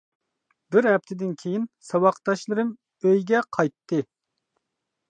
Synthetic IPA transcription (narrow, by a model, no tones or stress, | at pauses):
bɪɾɦɛp̚t̪ʰɪd̪ɪnkʲʰejinsɑwɑqt̪ɑʃlˠɨɾɨm | øjɡʲɛqʰɑjt̪ʰːɨ